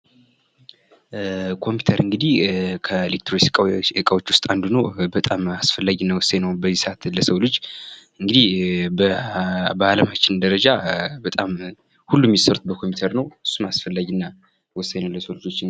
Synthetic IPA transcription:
kʰo̞mpʰi̥t̪ʰəɾɨŋɡɨd̪ihkʰəelek̚t̪ɾosɨkʼaɨkʼawot͡ʃːwʊst̪ʼand̪unəwbət̪ʼamasfəlːaɡinːawɔsːəjnəwbəzːisat̪ləsəwlot͡ʃːɨŋɡɨd̪ihb | bəaləmat͡ʃːɪnd̪əɾəd͡ʒabət̪ʼam | hulːumːisəɾut̪̚bəkʰo̞mpiut̪ʰəɾnəwɨsːumasfəlːaɡinːa | wɔsːaɲnəwləsəwld͡ʒo̞t͡ʃː

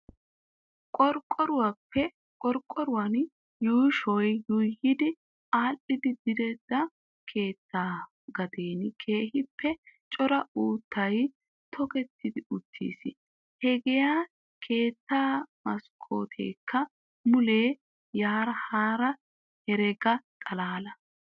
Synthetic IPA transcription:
kʼɔɾkʼːɔɾʊwɐpːɛ | kʼɔɾkʼːɔɾʊwɐn | juːʃɔjːʊjhɪd̪ɪ | aːlʔɪd̪ɪd̪ɪd̪ɛd̪ɐ | kʰe̞ːt̪ʰːaː | ɡɐd̪eːnɪkʰe̞ːhɪpʰːɛt͡ʃʼɔɾɐuːt̪ʰːɐj | t̪ʰɔkɛt̪ʰːɪd̪ɪʊt̪ʰːḭːsɪ | hɛɡɛjaː | kʰe̞ːt̪ːaːmɐskʰo̰ːt̪ʰḛːkʰːɐ | mʊleː | jaːɾɐhaːɾɐ | hɛɾɛɡɐt̪ʼɐlaːlɐ

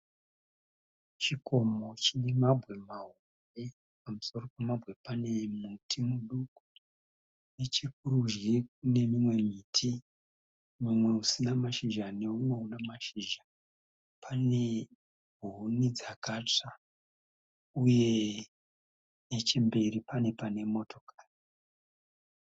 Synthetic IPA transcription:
t͡ʃiko̞mo̞t͡ʃinimabʱwe̞maɦo | re̞ | pamuso̞ro̞pemabʱwe̞pane̞mutʰimuɗuku | ne̞t͡ʃikuɾuʒɡekune̞mimwe̞miːtʰi | mumwe̞usinamaʃiʒane̞uno̞unamaʃiʒa | pʰane̞ | bʱunid͡zakat͡ʂa | uje̞ | net͡ʃe̞mbe̞ɾipane̞pane̞mo̞tʰo̞̥kḁːri

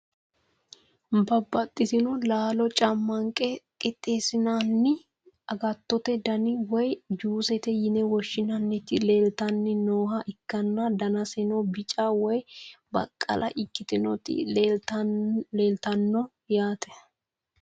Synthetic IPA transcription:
bɐbːɐt̪ʼːɪt̪ɪnɔlaːlɔt͡ʃʼɐmːɐŋkʼɛkʼɪt̪ʼːeːsɪnaːnːɪ | ʔɐɡɐt̪ːɔt̪ɛd̪ɐnɪwɔjd͡ʒuːsɛt̪ɛjɪnɛwɔʃːɪnɐnːɪt̪ɪleːlt̪ɐnːɪnoːɦɐʔɪkːɐnːɐd̪ɐnɐsɪnɔbɪt͡ʃʼawɔjbɐ̰kʼːɐ̰lʔɐ̰ʔɪkːɪt̪ɪnɔt̪ɪ̰ | leːlt̪ɐnːɔ | jaːt̪ɛ̥

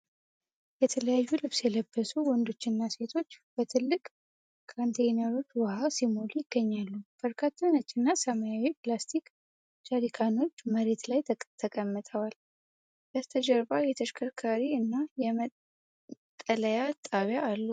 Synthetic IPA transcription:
jɛt̪ʰələjajːulɨβsjɛləbːəsuwɔnd̪o̞t͡ʃːɪnːase̞t̪ʰo̞t͡ʃːb̥ət̪ʰɨlːɨkʼ | kʰant̪ʰejnəɾo̞t͡ʃːwahasimolujɪɡ̥ːəɲːalːub̥əɾkʰat̪ʰːənət͡ʃːɨnːasəmajawiplast̪ʰik | t͡ʃaɾikʰano̞t͡ʃːməɾe̞t̪lajt̪ʰət̪ʰəkʼəmːət̪ʼʰəwal | jast̪ʰəd͡ʒɛɾbajɛt̪ʰəʃkʰəkʰaɾiɨnːajɛmə | tt̪ʼːələjat̪ʼaβjaːlːu

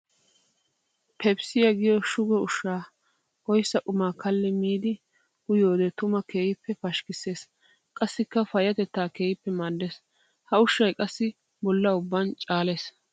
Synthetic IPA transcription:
pʰɛbsɪjɐɡɪjɔʃʊɡɛʊʃːaː | ɔjsːɐkʼʊmaːkʰɐlːɪmiːd̪ɪ | hʊjoːd̪ɛt̪ʊmɐkʰe̞ːjɪpːɛfɐʃkɪse̞ːs | kʼɐsːɪkːɐfɐjɐt̪ɛt̪ːaːkeːjɪpːɛmad̪ːes | hɐʊʃːɐjkʼɐsːɪ | bɔlːɐʊbːɐnt͡ʃʼaːleːs

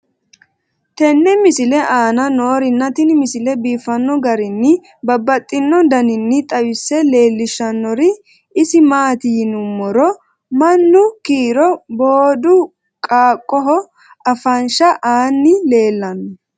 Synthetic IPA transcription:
t̪ɛnːɛmɪsɪlɛʔaːnɐnoːɾɪnːɐt̪ɪnmɪsɪlɛbiːfɐnːɔɡɐɾɪnːɪ | bɐbːɐt̪ʼːɪnːɔd̪ɐnɪnːɪt̪ʼɐwɪsːɛle̞ːlːɪʃːɐnːɔɾɪ | ɪsɪmaːt̪ɪjnʊmːɔɾɔ | mɐnːʊkiːɾɔboːd̪ʊ | kʼaːkʼːɔɦɔ | ɐfɐnʃɐʔaːnːɪle̞ːlːɐnɔ

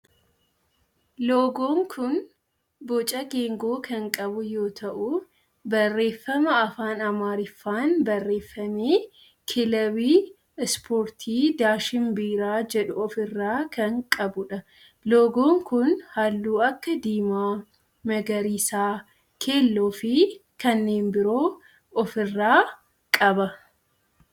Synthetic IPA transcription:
loːɡo̞ːŋkʰʊn | bɔt͡ʃʼɐɡe̞ːŋɡo̞ːkɐŋkʼɐbʊjo̞ːt̪ʰɐʔʊ | bɐrːe̞ːfːɐmɐɐfaːnɐmaːɾɪfːaːnbɐrːe̞ːfːɐmeː | kʰɪlɐwiː | ɪspʰoːɾt̪ʰiːd̪aːʃɪmbiːɾaːd͡ʒɛᶑʊɔfɪrːaːkɐŋkʼɐbʊᶑɐ | loːɡoːŋkʊnhalːuːɐkːɐd̪iːmaː | mɐɡɐɾiːsaː | kʰe̞ːlːoːfɪkɐnːe̞ːnbɪɾo̞ː | ɔfɪrːaː | kʼɐbɐ

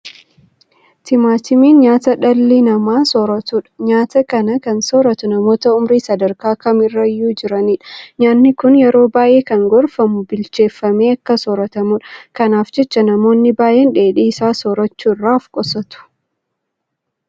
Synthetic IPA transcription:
t̪ɪmaːt̪ɪmiːnɲaːt̪ɐᶑɐlːinɐmaːsoːɾɐt̪uːᶑɐ̥ɲaːt̪ɐkɐnɐkɐnsoːɾɐt̪ʊnɐmo̞ːt̪ɐʊmɾiːsɐd̪ɐɾkaːkɐmɪrːɐjːuːd͡ʒɪɾɐniːᶑɐɲaːnːɪkʊnjɛɾo̞ːbaːʔe̞ːkɐŋɡɔɾfɐmʊbɪlt͡ʃe̞ːfːɐme̞ːɐkːɐsoːɾɐt̪ɐmʊᶑɐkɐnaːfd͡ʒɛt͡ʃːɐnɐmo̞ːnːɪbaːjʔeːnᶑe̞ːᶑiːsaːsoːɾɐt͡ʃːuːrːaːfkʼɔsɐt̪ʊ̥

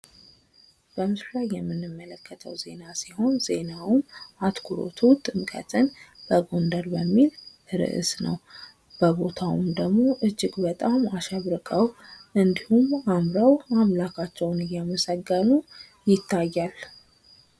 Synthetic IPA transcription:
b̥əmɨslajːɛmːɨnːɨmːələkːət̪ʰəwze̞̰nasiho̞nze̞nawmat̪kʰuɾo̞̰t̪ʰut̪ʼɨmkʼə̰t̪ʰɨnb̥əɡo̞nd̪əɾbəmːil | ɨɾɨ̰ʔɨ̰snə̰w | b̥əbo̞t̪ʰawṵmd̪əɡmo̞ʔɨd͡ʒːɪɡbət̪ʼamaʃɛβɾɨkʼəwʔɨnd̪ihumamɾawamlakʰat͡ʃːɛwnɨjaməsəɡːənu | jɪt̪ʰːajːal

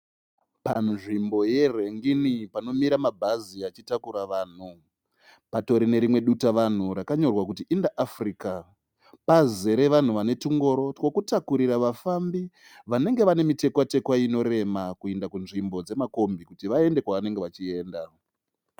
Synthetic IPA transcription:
panʐimbo̞je̞re̞ŋɡinipano̞miɾamabʱaziat͡ʃitakuɾaʋaːn̤u | pato̞ɾine̞ɾimwe̞ɗutaʋan̤uɾakaɲo̞rwakutiʔindaʔːfrika | paze̞ɾe̞ʋan̤uʋane̞tuŋɡo̞ɾo̞tko̞kutakuɾiraʋafambi | ʋane̞ŋɡe̞ʋane̞mite̞kwate̞kwaino̞ɾe̞makue̞ndakunʐimbo̞d͡ze̞mako̞mbikutiʋae̞nde̞kwaʋane̞ŋɡeʋat͡ʃie̞ːnda

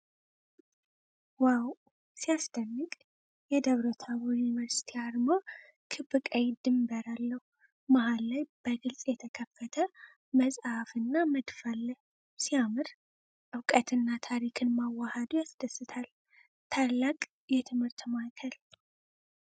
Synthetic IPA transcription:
waw | sijasd̪ənːɨkʼ | jɛd̪əβɾot̪ʰaβujunivəɾsi̥t̪ʰiaɾmo | kʰɨbɨkʼəjd̪ɨmbəɾalːəhu | mahalːajb̥əɡɨlsʼjɛt̪ʰəkʰəfːət̪ʰə | məsʼhafɨnːaməd̪falːəh | siamɨɾ | ʔɨwkʼət̪ʰɨnːat̪ʰaɾikʰɨnmawːahad̪ujasd̪əsːɨt̪ʰal | t̪ʰalːakʼ | jɛt̪ʰɨmhɨɾt̪makʰəl

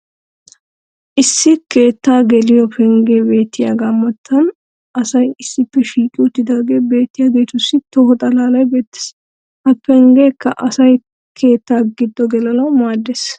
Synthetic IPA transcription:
ʔɪsːɪke̞ːt̪ːaːɡɛlɪjɔpʰɛŋɡe̞ːbe̞ːt̪ːɪja̰ːɡɐmːɐt̪ʰːɐn | ʔɐsɐjɪsːɪpːɛʃiːkʼɪʊt̪ːɪd̪aːɡe̞ːbe̞ːt̪ːɪjaːɡe̞ːt̪ʊsːɪt̪ɔhɔt̪ʼɐlaːlɐjbe̞ːt̪ːɪ̥s | hɐpːɛŋɡeːkːɐʔɐsɐj | kʰe̞ːt̪ːaːɡɪd̪ːɔɡɛlɐlɐwmaːd̪ːeːs

